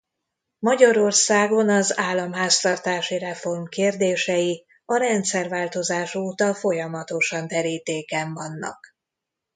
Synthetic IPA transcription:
mɒɟɒɾo̞rsaːɡo̞nɒzaːlːɒmɦaːst̪ɒrt̪aːʃirɛfo̞rmkeːrd̪eːʃɛji | ɒɾɛnt̪sɛrvaːlt̪o̞zaːʃoːt̪ɒfo̞jɒmɒt̪o̞ʃɒnd̪ɛɾiːt̪eːkɛɱvɒnːɒ̰k

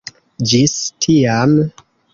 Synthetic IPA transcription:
d͡ʒistʰiam

